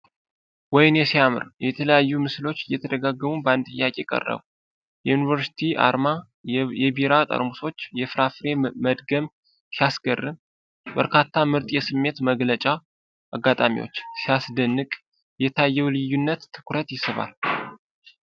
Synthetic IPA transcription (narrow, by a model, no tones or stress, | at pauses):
wɔjnjɛsijamɨ̰ɾjɛt̪ʰələjajːumɨslo̞t͡ʃːjɛt̪ʰəd̪əɡaɡːəmubant̪ʼɨjːakʼe̞kʼə̰rːə̰β | jɛjunivəɾsi̥t̪ʰiʔa̰ɾma | jɛbiɾat̪ʼə̰ɾmuso̞t͡ʃːjɛfɾafɾe̞məd̪ɡəm | sijasɡərːɨm | bəɾkʰat̪ʰːamɨɾt̪ʼjɛsɨmːe̞t̪məɡlət͡ʃʼa | ʔaɡːat̪ʼamḭwo̰t͡ʃːsijasd̪ənːɨkʼ | jɛt̪ʰajːɛwlɨjːunːət̪ʰːɨ̥kʰɾət̪jɪsɨβa̰l